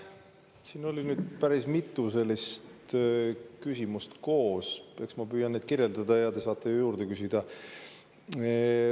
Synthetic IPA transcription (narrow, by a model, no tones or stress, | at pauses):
siːno̞lʲinyːd̪̥̚pæɾismit̪ˑːuse̞lːist̪ | kysimust̪ko̞ːse̞ksmɑpyːjɑnːed̪̥kirjeld̪ɑd̪ɑjɑt̪e̞sɑːt̪ːˑe̞jujuːɾd̪ekysid̪̥ɑ